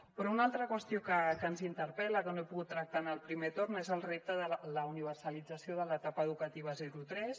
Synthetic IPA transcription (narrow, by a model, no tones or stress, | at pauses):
pɾɔunalˠt̪ɾəkwəst̪ijokəkənzint̪əɾpɛləkənoepuɣut̪ːɾək̚t̪anəlˠpɾimet̪ornezəlˠrep̚t̪əðələuniβ̞ərsəlid͡zəsioðələt̪apəːð̞ukət̪iβ̞əzɛɾut̪ɾɛs